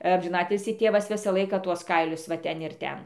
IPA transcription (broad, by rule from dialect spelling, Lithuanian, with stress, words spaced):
ɐmʲʒʲɪˈnɑːtʲɪlʲsʲiː ˈtʲeːʋɐs ˈʋʲɪsɑː ˈlˠɐɪkɑː ˈtuɔs ˈkɐɪlʲʊs ʋɐ ˈtʲɛn ɪr ˈtʲɛn